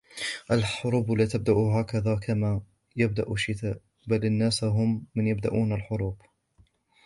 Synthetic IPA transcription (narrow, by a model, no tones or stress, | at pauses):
ʔalħʊɾuːblaːt̪ab̚d̪aʔʊɦaːkaðaːkʰamaː | jab̚d̪aʔʊʃːɪt̪aːʔ | balanːaːsɦʊmːɪnjab̚d̪a̰ʔuːnalħʊɾuːb